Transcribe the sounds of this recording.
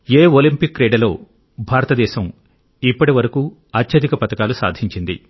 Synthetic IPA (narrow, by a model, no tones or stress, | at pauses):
eːolimpikːɾeːɖɐlo̞ː | bʱaːɾɐt̪ɐd̪ɛːʃɐm | ipːɐʈiʋɐɾɐkuː | ɐt͡ʃʃɐd̪ikɐpɐt̪ɐkaːlusa̰ːd̪ʱiɲt͡ʃind̪ḭ